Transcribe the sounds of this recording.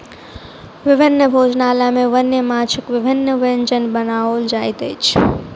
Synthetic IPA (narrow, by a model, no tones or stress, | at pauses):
ʋɪbʱɪnːəbʱoːd͡ʒnalamẽʋənjəmãt͡ʃʰəkʋɪbʱɪnːəʋənd͡ʒənbənaʋold͡ʒaːjt̪ət͡ʃʰ